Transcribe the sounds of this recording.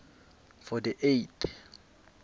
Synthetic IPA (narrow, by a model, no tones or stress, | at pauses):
fɔdiʔetʰ